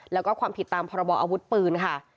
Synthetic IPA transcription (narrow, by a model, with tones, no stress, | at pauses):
lɛː˦˥wkɔː˥˩kʰwaː˧mpʰi˨˩t̪ːaː˧mpʰɔː˧ɾa˧bɔː˧ʔaː˧wu˦˥t̪̚pɯː˧nkʰa˥˩